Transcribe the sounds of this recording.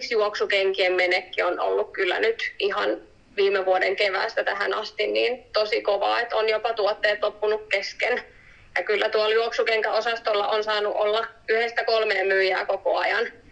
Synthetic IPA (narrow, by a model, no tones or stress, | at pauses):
sjuoksukeŋkiemːenekːiono̰lːukkylːæ̰nyt̪ihɑn | ʋiːmeʋuodḛŋkeʋæ̰ˑːst̪æt̪æhænɑst̪inniːnt̪osikoʋɑ̰ːet̪onjopɑt̪uot̪ːeːt̪lopːunukkesken | jɑkylːæt̪uɑljuoksukeŋkæosɑst̪olːɑʔonsɑːnuʔolːɑyhest̪ækolmeːmmyːjæːkoko̰ɑjɑn